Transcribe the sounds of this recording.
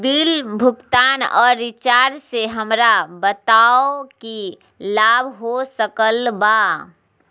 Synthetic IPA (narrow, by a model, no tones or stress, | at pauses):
bilbʱʊkt̪aːnɔ̰ːɾːɪt͡ʃaɾseɦəmɾabət̪aoki | labʱɦosəkəlba